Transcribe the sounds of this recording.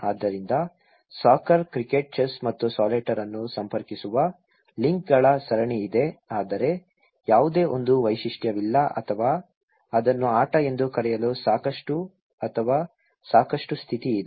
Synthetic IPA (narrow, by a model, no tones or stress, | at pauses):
aːd̪ːɐɾind̪ɐ | saːkɐɾkɾikeːʈ̚t͡ʃɐsmɐt̪ːusaːleʈɐɾɐnːusɐmpɐɾkisuʋɐ | liŋk̚ɡɐɭɐsɐɾɐɳiːd̪e̞aːd̪ɐɾe̞ | jaːʋud̪e̞ːʔo̞̰nd̪uʋɐjʃiʂʈjɐʋilːɐʔɐ̰t̪ʰɐʋaː | ɐd̪ɐnːuaːʈɐe̞nd̪ukɐɾɛjɐlusaːkɐʂʈu | ɐt̪ʰɐʋaː | saːkɐʂʈust̪ʰit̪iːd̪e